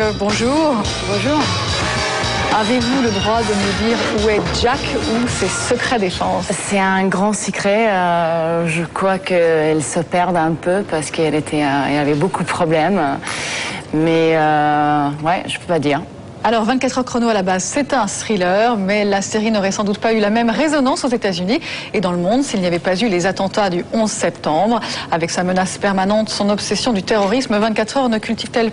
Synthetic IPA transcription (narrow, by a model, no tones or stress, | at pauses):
bɔ̃ʒuːʁ | bɔ̃ʒuʁ | avevuləd̪ʁwad̪əməd̪iʁuɛʒakusesəkχɛd̪efɑ̃ssɛɛ̃ɡʁɑ̃səkχɛøʒəkwakəɛlsəpɛʁd̪ɛ̃pøpaʁsə̥kɛlet̪ʰɛɛ̰lavɛbokud̪əpχɔblɛm | mɛø | wɛʒ̥əpøpad̪iːʁ | alɔʁvɛ̃t̪kat̪χœʁkχɔnoalabazsɛt̪ɛ̃st̪χilœʁmɛlaseʁinɔʁɛsɑ̃d̪ut̪paylamɛmʁezɔnɑ̃sozet̪azynied̪ɑ̃ləmɔ̃d̪silniavɛpazylezat̪ɑ̃t̪ad̪yɔ̃zsɛpt̪ɑ̃bʁavɛksamənaspɛʁmanɑ̃t̪sɔ̃nɔpsɛsjɔ̃d̪yt̪eʁɔʁisməvɛ̃t̪̚kʲat̪χœʁnəkʲylt̪iv̥t̪ɛlp